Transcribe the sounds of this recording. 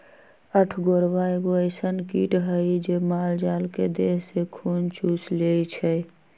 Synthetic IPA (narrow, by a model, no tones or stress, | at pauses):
əʈʰɡoɾʋaeɡoəɪsənkiːʈɦəid͡ʒemaːld͡ʒaːlked̪eːɦsekʰuːnt͡ʃuːsleːit͡ʃʰɛ